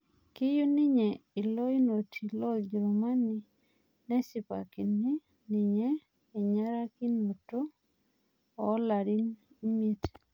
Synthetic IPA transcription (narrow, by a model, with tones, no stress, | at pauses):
kɪ˦ju˦nɪ˦ɲɛ˨i˨lo˦i˦no˨tʰi˨lo˦d͡ʒɛ˨ɾɔ˨ma˦ni˨ | nɛ˦sɪ˨pa̰˨ki˨ni˦ | nɪ˨ɲeː˦˨ | ɲa˦ɾa˦ki˦no˨to˦ | ɔ˨˦la˨ɾɪ˦n | i˦mi˦t